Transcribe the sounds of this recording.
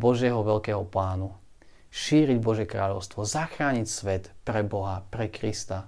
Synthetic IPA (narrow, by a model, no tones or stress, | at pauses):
bɔʒɪɛɦɔʋɛʎkɛːɦɔplaːnu | ʃiːɾiɟbɔʒɪjɛkɾaːʎɔʊst̪ʋɔzaxɾaːɲicsʋɛt̪pɾɛbɔɦapɾɛkɾist̪a